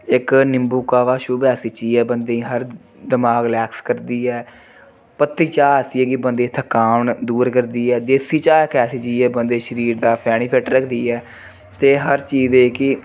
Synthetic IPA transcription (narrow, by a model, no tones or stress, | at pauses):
ɪknɪmbuːkaːʋaːʃʊbaːsiːt͡ʃiːɛːbənd̪eːĩːɦəɾ | d̪ɪmaːɡlɛːkskəɾd̪iːɛː | pət̪ʰːiːt͡ʃaːsiːɛːkɪbənd̪eːt̪ʰəkaːnd̪uːɾkəɾd̪iːɛːd̪eːsiːt͡ʃaːkɛːsiːt͡ʃiːɛːbənd̪eːʃəɾiːɾd̪aːpʰɛːɽ̃iːpʰɛːʈɾəkʰd̪iːɛː | t̪eːɦəɾt͡ʃiːzeːkɪ